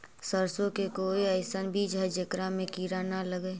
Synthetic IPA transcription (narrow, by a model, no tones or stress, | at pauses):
səɾsõkekoːiəɪsənbʱid͡ʒəd͡ʒəkɾamẽkiːɾanaləɡeː